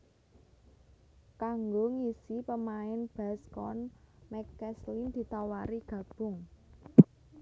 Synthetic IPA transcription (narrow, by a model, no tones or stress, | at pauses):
kaŋɡoŋisipəmaɪnb̥askɔnmɛkɛslind̪̥i̤t̪awaɾiɡ̥ä̤b̥ʊ̤ŋ